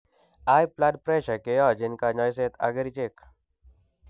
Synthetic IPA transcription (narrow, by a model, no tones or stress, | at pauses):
aːjplaɖpɾeːʃɐkejɔːd͡ʒɪnkaɲɔːjseːt̪ɐ̰ɡəɾit͡ʃek